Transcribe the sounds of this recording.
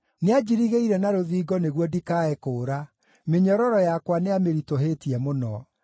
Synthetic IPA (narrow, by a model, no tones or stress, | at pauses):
nead͡ʑiɾiɣeiɾɛnaɾoðiːɡɔneɣwɔdikaɛkoːɾa | meɲɔɾɔɾɔjakwaneameɾitoɦeːtiɛmonɔ